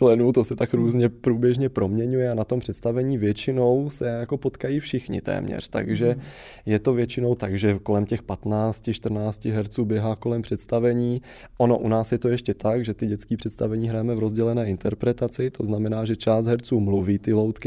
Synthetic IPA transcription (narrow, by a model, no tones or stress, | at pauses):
lɛnuːt̪osɛt̪akɾuːzɲɛpɾuːbjɛʒɲɛpɾo̞mɲɛɲujɛanat̪ompr̥ɛt̪st̪avɛɲiːvjɛt͡ʃɪno̞wsɛjako̞po̞t̪kajiːfʃɪxɲɪ̰t̪ɛ̰ːmɲɛ̰r̝̥t̪a̰ɡʒɛ | jɛt̪o̞vjɛt͡ʃɪno̞wt̪aɡʒɛko̞lɛmcɛxpat̪naːt͡scɪʃt̪r̩naːscɪɦɛɾt͡suːbjɛɦaːko̞lɛmpr̥ɛt̪st̪avɛɲiː | ʔono̞ʔunaːsjɛt̪o̞jɛʃcɛt̪aɡʒɛt̪ɪɟɛtt͡skiːpr̥ɛt̪st̪avɛɲiːɦɾajɛmɛvɾo̞zɟɛlɛnɛːɪnt̪ɛɾpɾɛt̪at͡sɪt̪oznamɛnaːʒɛt͡ʃaːsd̪ɦɛɾt͡suːmluviːt̪ɪlowt̪kɪ